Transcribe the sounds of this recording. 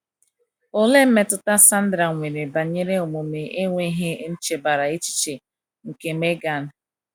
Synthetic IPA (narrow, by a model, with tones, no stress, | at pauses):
ʊ˦le˦m̩˦me˦tʊ˦ta˦sa˦n̩˦dɾa˨ŋʷe˨ɾe˨ba˨ɲe˦ɾe˦o˨mo˨me˨ʔe˦ŋʷe˦ɦe˦n̩˦t͡ʃe˨ba˨ɾa˨e˦t͡ʃi̥˦t͡ʃe˨ | ŋ̩˨ke˨me˦ɡa˨n̩˦